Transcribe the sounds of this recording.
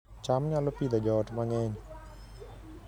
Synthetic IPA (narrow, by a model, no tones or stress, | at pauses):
t͡ʃamɲalopid̪ad͡ʒɔtmaŋɛɲ